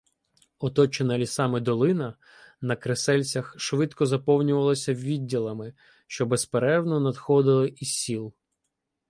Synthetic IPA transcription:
ɔt̪ɔt͡ʃenɐlʲisɑmɪd̪ɔlˠɪnɐ | nɐkɾesɛlʲt͡sʲɐxʃʋɪd̪kɔzɐpɔwnʲʊʋɐlˠɔsʲɐʋʲidʲːilˠɐmɪ | ʃt͡ʃɔbɛspeɾɛwnɔnɐd̪xɔd̪ɪlˠɪʔisʲilˠ

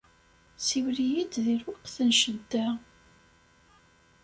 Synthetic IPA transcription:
siwlijid̪ðiɾwaqθənʃəd̪ːæ

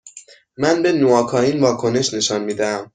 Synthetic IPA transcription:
mænbe̞noɒːkʰɒːiːnvɒːkʰo̞ne̞ʃne̞ʃɒnmiːd̪ææm

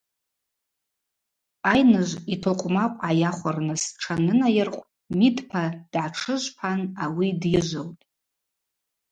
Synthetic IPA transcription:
ajnɨʒʷitʰoqʷʼmaqʷʼajaχʷarnɨsʈ͡ʂʰanɨnajɪrqʷʼ | midʰʼpʰad̥ʕaʈ͡ʂʰɨʒʷpʰanawidjɪʒʷɨltʼ

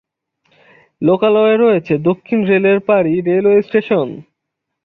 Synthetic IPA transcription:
lokalɔeɾɔet͡ɕʰed̪okʰːinɾeleɾpaɾiɾelwesʈeʃon

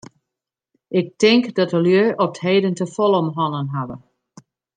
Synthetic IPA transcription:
ʔɪk̚tɪŋkdɔtəljøɹɔp̚theːdəntəfɔlˠɔmɦɔnənɦadə̰

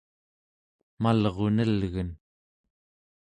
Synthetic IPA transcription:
malʁo̞nəlɣən

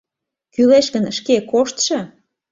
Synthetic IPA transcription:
kyleʃkənʃkekoʃt̪ʃɤ̆

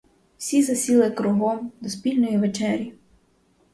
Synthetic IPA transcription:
wsʲizɐsʲilˠɪkɾʊɦɔmd̪ɔspʲilʲnɔjiʋet͡ʃɛɾʲji

